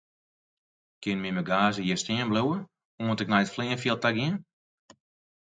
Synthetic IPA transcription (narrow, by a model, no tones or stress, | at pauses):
kɪnmiməɡaːzəjɛstɪənbluwə | oəntək̚nɛjətflɪənfjəlˠtaɡɪən